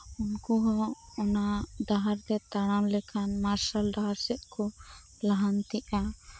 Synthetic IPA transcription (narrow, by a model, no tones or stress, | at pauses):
unkɔɦɔ̃ɔnad̪aɦaɾd̪ɛt̪aɽ̃amlɛkʰanmaɾsalɖaɦaɾsɛʔ̪̚kɔ | laɦant̪iʔa